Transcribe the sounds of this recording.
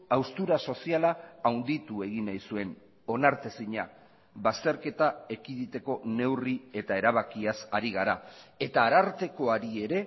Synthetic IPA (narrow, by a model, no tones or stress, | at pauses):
awst̪uɾaso̞sialaːwnd̪it̪ue̞ɣ̞inajsue̞n | o̞naɾt̪e̞siɲa | βast̪e̞ɾke̞t̪ae̞kiðit̪e̞ko̞ne̞wrie̞t̪ae̞ɾaβ̞akiasaɾiɣ̞aɾae̞t̪aːɾaɾt̪e̞ko̞aɾie̞ɾe̞